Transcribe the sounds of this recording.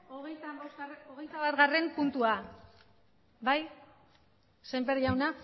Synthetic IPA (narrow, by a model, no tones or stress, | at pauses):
oɣejt̪abosoɣejt̪aβat̪ɣare̞mpunt̪ua | baj | sembeɾʝawna